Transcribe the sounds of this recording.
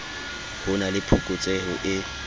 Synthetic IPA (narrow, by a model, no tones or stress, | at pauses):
hʊnalɪpʰukʼʊt͡sʼehʊʔɪ